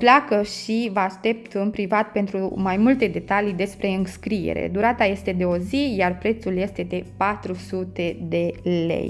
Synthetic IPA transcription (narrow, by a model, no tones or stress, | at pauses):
plakəʃivəaʃt̪e̞p̚t̪ɨnpɾivat̪̚pe̞nt̪ɾumajmult̪e̞d̪e̞t̪alid̪e̞spɾe̞ɨnskɾijḛɾḛd̪uɾat̪aje̞st̪e̞d̪e̞o̞zijarpɾe̞t̪sulje̞st̪e̞d̪e̞pat̪ɾusut̪e̞d̪e̞lḛj